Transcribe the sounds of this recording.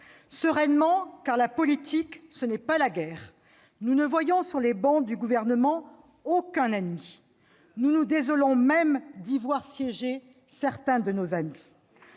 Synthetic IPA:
səʁɛnmɑ̃kaʁlapɔlit̪ʰiksənɛpalaɡɛːʁ | nunəvwajɔ̃syʁlebɑ̃d̪yɡuvɛʁnəmɑ̃ | okɛ̃nɛnmi | nunud̪ezɔlɔ̃mɛmd̪ivwaʁsjɛʒe | sɛʁt̪ɛ̃d̪ənozami

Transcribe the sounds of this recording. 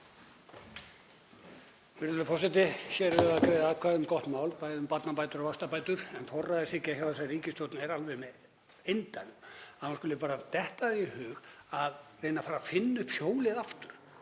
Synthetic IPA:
fɪɾlʏfɔsat̪̬ɪçɛːɾʏaðkɾejðɪaːkʰvaðʏmkɔht̪maːwlpaːjðʏmpat̪napaːjt̪ʏɾɔvast̪apaːjt̪ʏɾ̥ɛnfɔrːaðɪsɪhcɪaçawasɛriːcɪst̪owt̪nɛɾalvɛmɛ | ejnt̪anʏmaunskʏlɪpaːɾat̪ɛht̪aðihʏːɣaðreːjnafaːɾafɪnːʏhphjoːwlɪðaft̪ʏɾ̥

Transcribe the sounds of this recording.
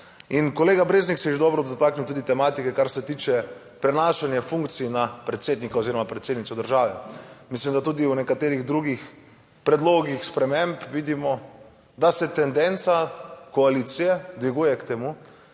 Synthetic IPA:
inkoleːɡabɾeːzniksɛʒed̪ɔːbɾɔd̪ɔt̪aːkniwt̪uːd̪it̪ɛmaːt̪ikɛkaɾsɛt̪iːt͡ʃɛ | pɾɛnaːʃanjafuŋkt̪sinapɾɛt̪seːd̪nikaoziːɾɔmapɾɛt̪sed̪nit̪sɔd̪əɾʒaːʋɛmislimd̪at̪uːd̪iwnɛkat̪eːɾiɣd̪ɾuɡix | pɾɛd̪loːɡixspɾɛmẽmpʋiːd̪imɔ | d̪asɛt̪ɛnd̪ɛnt̪sakoalit̪sijɛd̪ʋiɡuːjɛkt̪emu

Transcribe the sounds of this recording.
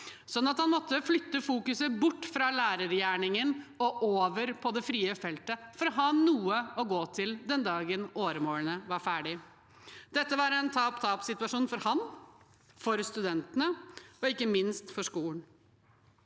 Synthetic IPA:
sɔnːɑt̪hɑnmɔt̪ːəflʏt̪ːəfuːkʉsəbʊʈːfɾɑlæːɾəɾjæːɳɪŋənɔʔoːʋəɾpʰɔd̪ɛfɾiːəfɛlt̪əfɔɾɔɦɑːnuːəɔɡoːt̪ʰɪld̪ɛnd̪ɑːɡənoːɾəmoːlənəʋɑɾfæːɖɪ | d̪̥ɛt̪ːəʋɑɾɛnt̪ʰɑːpt̪ʰɑːpsɪt̪ʉɑʂuːnfɔɾhɑn | fɔɾst̪ʉd̪ɛnt̪ənəɔɪkːəmɪnst̪fɔʂkuːln̩

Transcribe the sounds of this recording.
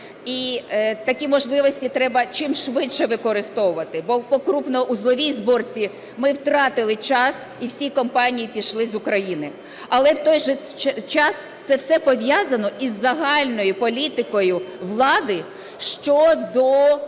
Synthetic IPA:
it̪ɐkʲimɔʒlˠɪʋɔsʲtʲit̪ɾɛbɐt͡ʃɪmʃʋɪtʃɛʋɪkɔɾɪst̪ɔwʊʋɐt̪ɪbɔpɔkɾupnɔʔuzlˠɔʋʲijzbɔrt͡sʲi | mɪwt̪ɾɑt̪ɪlˠɪt͡ʃɑs | iwsʲikɔmpɑnʲijipʲiʃlˠɪzʊkɾɐjinɪ | ɐlˠɛwt̪ɔjʒɛt͡ʃɑs | t̪sɛwsɛpɔʋʲjɑzɐnɔʔizːɐɦɑlʲnɔjʊpɔlʲit̪ɪkɔjʊʋlˠɑd̪ɪ | ʃt͡ʃɔd̪ɔ

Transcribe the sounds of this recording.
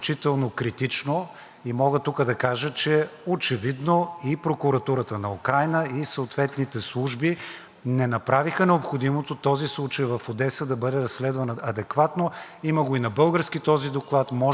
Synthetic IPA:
t͡ʃit̪ɛlˠnokɾit̪it͡ʃno | imɔɡət̪ukəd̪ɐkaʒət͡ʃɛot͡ʃɛvid̪noipɾokʊɾɐt̪uɾət̪ənɐukɾajnəisəot̪vɛt̪nit̪ɛslˠuʒbi | nɛnɐpɾavixənɛopxod̪imot̪ot̪ɔzislˠut͡ʃəjvɐfod̪ɛsəd̪ɐbɤd̪ɛɾɐsːlɛd̪vɐnəɐd̪ɛkvat̪no | iməɡoinɐbɤlˠɡəɾskit̪ɔzid̪oklˠat̪mɔ

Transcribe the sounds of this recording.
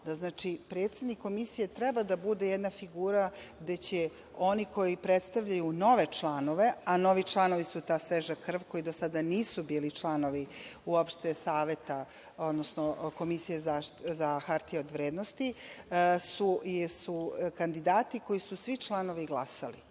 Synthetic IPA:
d̪aznaːt͡ʃipɾet̪sed̪nikʰːo̞misijet̪ɾɛbad̪abud̪e̞jed̪nafiɡuːɾaɡd̪e̞t͡ɕe | o̞niko̞jipɾet̪st̪aʋʎajuno̞ʋe̞t͡ʃlˠaːno̞ʋe̞ano̞ʋit͡ʃlˠano̞ʋisut̪aːsʋeʒakr̩ʋko̞id̪o̞sad̪aniːsubiːlit͡ʃlˠano̞ʋiuopʃt̪esaːʋe̞t̪a | od̪nosnoko̞misijezazaxaɾt̪ijeod̪ʋɾeːd̪nost̪i | susukand̪id̪aːt̪iko̞jisusʋit͡ʃlˠano̞ʋiɡlˠasalḭ

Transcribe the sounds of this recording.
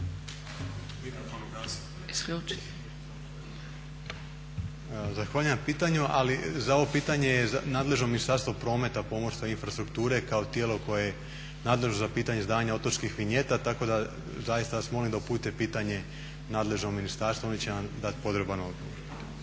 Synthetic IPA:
iaoloa | iskut͡ʃ | zaxʋaːʎujampiːt̪aɲuʔa̰lizao̞ʋo̞piːt̪aɲejenaːd̪le̞ʒnominist̪aɾst̪ʋo̞pɾo̞ːme̞t̪apo̞moɾst̪ʋoinfɾast̪ɾukt̪uːɾe̞kao̞t̪jelo̞ko̞jeje | naːd̪le̞ʒnozapiːt̪aɲezd̪aːɲao̞t̪ot͡ʃkixʋiɲe̞t̪at̪ako̞d̪a | zajist̪ajasmo̞limd̪aupuːt̪epiːt̪aɲe̞ | naːd̪le̞ʒno̞minist̪aɾst̪ʋoonit͡ɕenamd̪at̪po̞d̪ɾebano̞̰d̪ɡoʋoɾ

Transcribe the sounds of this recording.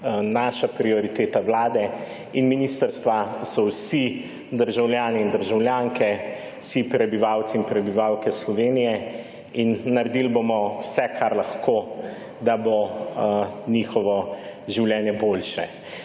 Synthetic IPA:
naːʃapɾiɔɾit̪eːt̪awlaːd̪ɛ | inminist̪əɾst̪ʋasɔwsi | d̪əɾʒawljaːniːnd̪əɾʒawljaːŋkʰɛ | wsipɾɛbiʋaːwt̪siːnpɾɛbiʋawkɛslɔʋeːnijɛ | inːɐɾɛd̪ilbomɔwsɛkʰaɾlaxkoː | d̪abo | niːxɔʋɔʒiwljɛːnjɛbolʃɛ

